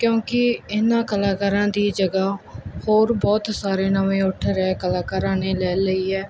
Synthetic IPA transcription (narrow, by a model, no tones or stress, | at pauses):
kjõːkɪɪnãːkəlaːkaːɾãːd̪iːd͡ʒəɡaːhoːɾbɔːt̪saːɾeːnəʋẽːʊʈʰɾɛːkəlaːkaːɾãːneːlɛːləiːɛː